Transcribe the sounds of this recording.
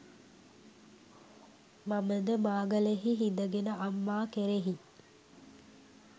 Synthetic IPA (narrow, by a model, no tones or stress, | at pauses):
maməd̪əmaːɡəleɦiɦid̪əɡenəamːaːkeɾeɦi